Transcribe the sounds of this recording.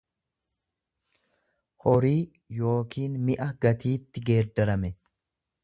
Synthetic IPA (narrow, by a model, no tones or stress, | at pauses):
hɔɾiː | jo̞ːkiːnmɪʔɐɡɐt̪iːt̪ːɪɡe̞ːɾd̪ɐɾɐmɛ